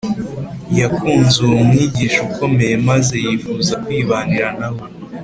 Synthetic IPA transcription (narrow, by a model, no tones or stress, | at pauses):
jakuːnzuumŋiːɟiːʃukʰo̞me̞je̞maze̞jiːfuːzakwiːβaniɾanaho